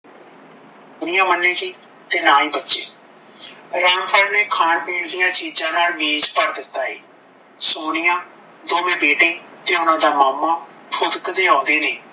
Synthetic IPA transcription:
ʊnɪjãːmənːẽːkiː | t̪eːnaːĩːbətːʃḛː | ɾaːmpʰəɾneːkʰaːnpeːɽd̪ijãːt͡ʃiːd͡ʒãːnaːlʋeːd͡ʒpəɾd̪ɪt̪ːaːeː | soːnɪjãː | d̪oːmẽːbeːʈeːt̪eːʊnãːd̪aːmaːmaː | pʰʊd̪kd̪eːãːnd̪eːneː

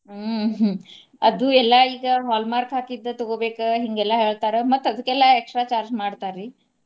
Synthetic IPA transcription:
ə | əd̪uːɛlːaiːɡəɦɔlmaɾkɦakid̪ːət̪oɡobekəɦiŋɡɛlaɦeɭt̪aɾəmət̪ːəd̪uːkɛlːaeksʈɾat͡ɕaɾd͡ʑmaɽt̪aɾi

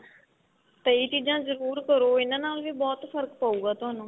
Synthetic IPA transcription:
t̪əiːt͡ʃiːzãːzəɾuːɾkəɾoːɪnãːnaːlʋiːbɔːt̪fʰəɾəkpaːuːɡaːt̪ʊaːnũː

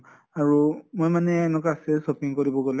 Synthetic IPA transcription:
aɾomɔ̃mãnɛ̃nɔ̃kasɛsɔpĩŋ̩kɔɾiboɡɔl

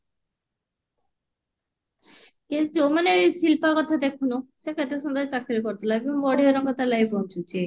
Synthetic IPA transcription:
ed͡ʑomaneojʃilpakɔt̪ʰad̪ekʰunoʃekʰet̪ɾeʃɔnd̪aet͡ɕakɾiɾikɔɾt̪alajbeoŋbɔɽeeɾɔŋkɔt̪alajbont͡ɕʰut͡ɕe

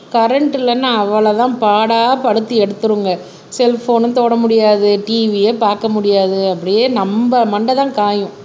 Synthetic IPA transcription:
kɐɾɛɳʈɪlɐnːaɐʋːɐɭɐt̪ãːpaːɽaːpɐɽɯt̪ːɯɛɽɯt̪ːɯɾɯŋɡɐ | sɛlfoːnɯnt̪oːɽɐmʊɽɪjaːðɯʈiːʋijɐpaːɾkɐmʊɽɪjaːðɯɐpːɐɽɪjeːnɐmbɐmɐɳɖɐðãːkaːjʊ̃

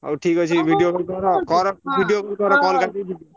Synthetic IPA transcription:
aʈʰikɦojt͡ʃʰibʱiɖijokɔɾɔbʱiɖijokɔɾɔkɔlka

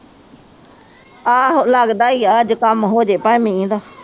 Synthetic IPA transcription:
aːɦolaːɡɗaːiaːd͡ʒkəmɦoːd͡ʒeːpamĩːd̪aː

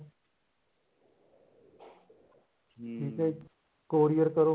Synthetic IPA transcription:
ʈʰiːkɛ | koːɾijəɾkəɾoː

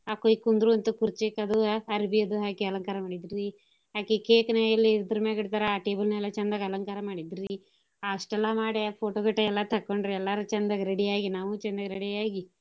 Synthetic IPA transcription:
aːkojkund̪ɾuʋɐnt̪ukuɾt͡ʃeːkɐd̪uɐɾbiɐd̪uɦaːkeɐlɐŋkaːɾɐmaːɽid̪ɾi | ɦaːkekeːkneɐlːiiɾd̪ɐɾumeːɡiɽt̪aːɾeaːʈeːbɐlnɛlːɐt͡ʃɛnd̪aɡɐlɐŋkaːɾɐmaːɽid̪ɾi | aːʂʈɛlːamaːɽepʰoːʈokɐʈːɐɛlːat̪ʰɐkːoɳɖɾeɛlːaɾut͡ʃɛnd̪aɡɐɾeɽiaːɡinaːʋut͡ʃɛnd̪aɡɐɾeɽiaːɡi

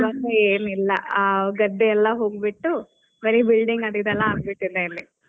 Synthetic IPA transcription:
ʋaːɡɐeːnilːɐ̰ʔaɡɐd̪ːeɛlːɐɦoːɡibiʈːu | bɐɾibilɖiŋɡɐd̪id̪ɐlːɐːnbiʈːid̪elːi

